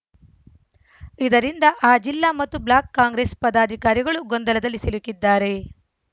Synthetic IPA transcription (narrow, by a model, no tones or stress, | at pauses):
id̪ɐɾind̪ɐʔaːd͡ʒilːaːmɐt̪ːublaːkːaːŋɡɾeːspɐd̪aːd̪ʱikaːɾiɡɐɭuɡond̪ɐlɐd̪ɐlːisilukːid̪ːaːɾe̞